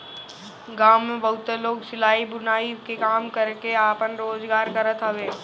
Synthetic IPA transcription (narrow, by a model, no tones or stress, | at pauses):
ɡaːmːẽbɐɦʊt̪ːeloːɡsɪlaːibʊnaːikekaːmkəɾkeaːpənɾoːzɡaːɾkɐɾət̪ɦəʋeː